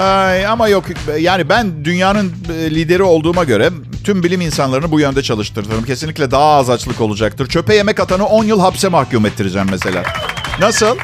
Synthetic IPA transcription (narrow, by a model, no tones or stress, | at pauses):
ajamajo̞kjaːnibænd̪ynjaːnɯnːlʲiːd̪e̞ɾio̞lˠd̪uːmaɟø̞ɾɛ | t̪ʰymbilʲiminsanlˠaɾɯnɯbujø̞nd̪ɛt͡ʃʰalˠɯʃt̪ʰɯɾd̪ɯɾɯmcʰesinlʲiclʲɛd̪aɦːzat͡ʃlˠɯko̞lˠud͡ʒakt̪ɯɾt͡ʃʰø̞pɛje̞mɛkat̪ʰanɯo̞njɯlˠɦapsɛmahcuːmɛt̪ːiɾid͡ʒɛmːese̞lʲa̰ːnasɯlˠ